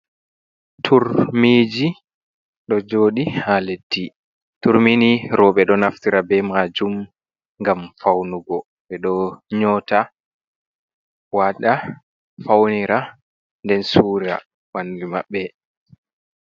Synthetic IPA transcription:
tʰuɾmiːd͡ʒi | ɗɔd͡ʒoːɗihaletːi | tuɾminiɾɔɓɛɗɔnaftiɾabɛmad͡ʒum | ŋɡamfawnuɡɔ | ɓɛɗɔɲɔːta | waɗa | fawniɾa | ndɛnsuːɾa̰ | wandima̰ɓːɛ

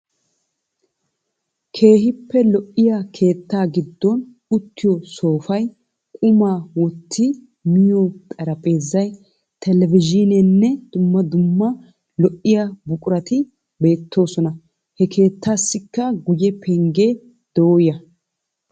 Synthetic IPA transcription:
kʰe̞ːɦɪpːɛlɔʔːɪjaːkʰe̞ːt̪ːaːɡɪd̪ːɔn | ʊt̪ːɪjɔso̞ːfɐj | kʼʊmaːwɔt̪ʰːɪ | mɪjot̪ʼɐɾɐpʼe̞ːzːɐj | t̪ɛlɛvɪd͡ʒɪnɛnːɛd̪̥ʊmːɐd̪ʊmːɐ | lɔʔɪjabʊkʼʊɾɐt̪ɪ | be̞ːt̪ːo̞ːsɔnɐ | hɛkʰe̞ːt̪ːaːsːɪkːɐɡʊjɛpʰɛŋɡeː | d̪̥ɔoːjɐ

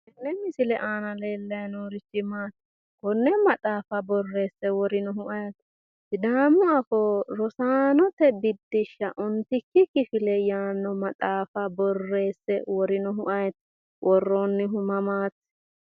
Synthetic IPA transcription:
ɛnːɛmɪsɪlɛʔaːnɐleːlːɐjnoːɾɪt͡ʃːɪmaːt̪ː | kɔnːɛmɐt̪ʼaːfɐbɔrːe̞ːsːɛwɔɾɪnɔɦʊʔɐjt̪ | d̪aːmːɔɐfɔɾɔsaːnɔt̪ɛbɪd̪ːɪʃːɐʔʊnt̪ɪkːɪkɪfɪlɛjaːnːɔmɐt̪ʼaːfɐbɔrːe̞ːsːɛwɔɾɪnɔɦʊʔɐjt̪ | wʔɔrːoːnːɪɦʊmɐmaːt̪ː

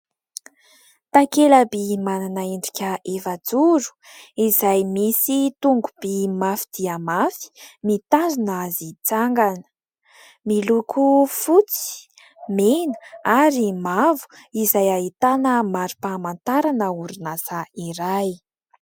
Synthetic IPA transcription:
t̪akelabimananaeɳɖ͡ʐikʲəʔefad͡zuɾu̥ | izajmisit̪uŋɡub̥imafid̪̥iəmafi̥mit̪azinaazit͡saŋɡanə̥ | milukʰufut͡si̥ | menə̥aɾimavu̥ | izajait̪anəmaɾu̥pamant̪aɾanəuɾinasaiɾaj

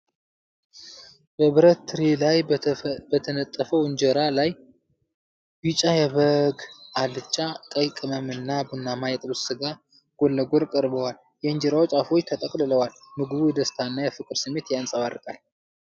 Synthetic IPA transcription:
b̥əβɨɾət̪ːɨɾelajbət̪ʰənət̪ʼːəfəwɨɲd͡ʒɛɾalaj | bɨt͡ʃʼajɛβəɡʔalɨt͡ʃʼːakʼəjkʼɨməmɨnːabunːamajɛt̪ʼɨbɨsɨɡa | ɡ̥olːəɡoɾkʼəɾbəwal | jɛɨɲd͡ʒɛɾawot͡ʃʼafo̞t͡ʃːt̪ʰət̪ʼəkʼlɨləwalmɨɡɨβujɛd̪əst̪ʰaɨnːajɛfɨkʼɨɾsɨmːet̪jansʼəβarɨkʼal

